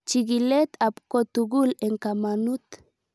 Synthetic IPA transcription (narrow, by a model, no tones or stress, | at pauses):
t͡ʃiɡilet̪apkot̪uɡuleŋkamanut̪